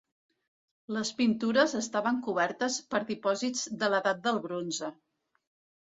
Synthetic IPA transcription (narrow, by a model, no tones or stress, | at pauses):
ləspint̪uɾəzəst̪aβəŋkuβ̞ɛɾt̪əspəɾðipɔzid͡zd̪ələðat̪̚d̪əlˠβɾonzə